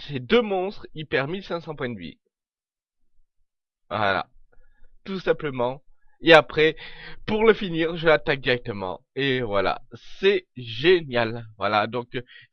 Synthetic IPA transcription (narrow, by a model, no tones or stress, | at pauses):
sed̪ømɔ̃st̪χipɛʁmilsɛ̃sɑ̃pwɛ̃d̪ɥḭ | va̰la̰ | t̪usɛ̃pləmɑ̃eapχɛpuʁləfiniʁʒəlat̪ak̚d̪iʁɛk̚t̪əmɑ̰̃evwala̰sɛʒenjalvwalad̪ɔ̃k